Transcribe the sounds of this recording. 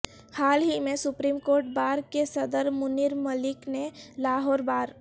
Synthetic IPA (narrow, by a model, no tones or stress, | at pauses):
haːlɦimesupɾimkoːɾʈ̚baːɾkesəd̪əɾmʊniɾməlɪknelaɦɔːɾbaːɾ